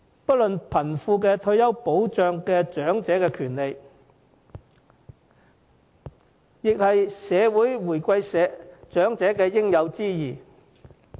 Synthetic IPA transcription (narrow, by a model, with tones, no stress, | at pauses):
pɐ˥t̚lɵ˨npʰɐ˨˩nfuː˧k̬ɛː˧t̪ʰɵ˧ɥjɐ˥wpo˨˥wt͡ʃœː˨˧ŋkɛː˧t͡ʃœː˨˥ŋt͡sɛː˨˥kɛː˧kʰyː˨˩nle˨˧j | jɪ˨k̚hɐ˨jsɛː˨˧wuː˨˥jwuː˨˩jkʷɐ˧jsɛ˨˧˥t͡ʃœː˨˥ŋt͡sɛː˨˥kɛː˧jɪ˥ŋjɐ˨˧wt͡siː˥jiː˨˩